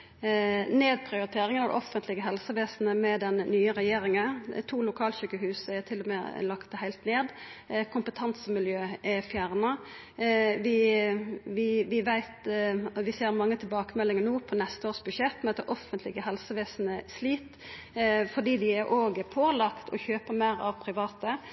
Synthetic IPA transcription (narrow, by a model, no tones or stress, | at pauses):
neːd̪̚pʰɾɪʊɾɪt̪ʰeːɾɪŋənɑd̪̰ʔɔfənt̪ʰlɪɡəɦɛlsəʋeːsn̩əmɛd̪ɛnːyːəɾɛjeːɾɪŋət̪ʰuːlʊkʰɑːlɕyːkəɦʉːsəɛt̪ʰɪlʊmɛ̰lɑkt̪əhæɪlt̪neːd̪kʰʊmpət̪ʰɑnsəmɪljøːʔɛfjæʁnɑ | ʋɪ | ʋɪʋɪʋæɪt̪ʋɪseːɾmɑŋːət̪ʰɪlbɑːkəmɛlːɪŋənuːpʰɔnɛst̪əoːʁsbʉʂɛt̪ːmɛd̪ɛʔɔfːənt̪lɪɡəɦɛlsəʋeːsnəsliːt̪ | fɔɖ̪iːd̪ɪɛɾʔoːɡəpʰoːlɑkt̪ʰɔ̰çøːpəɾmæɪɾɑ̰ʋpʰɾɪʋɑːt̪ə